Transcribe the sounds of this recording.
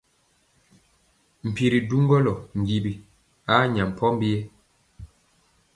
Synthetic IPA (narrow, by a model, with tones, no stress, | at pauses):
m̩˨pi˨ɾi˨du˦ŋɡɔ˦lɔ˨ŋ̩˨ɡi˨bi˨ | a˦ɲa˨m˨pʰɔ˦m˦bi˦ɛ˦